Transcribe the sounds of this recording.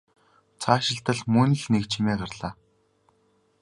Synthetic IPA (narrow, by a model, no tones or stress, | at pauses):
t͡sʰaːʃɪ̆ɬt̪ə̆ɮmɵnɘ̆ɮnekt͡ɕʰimeːɢarɮ̥aː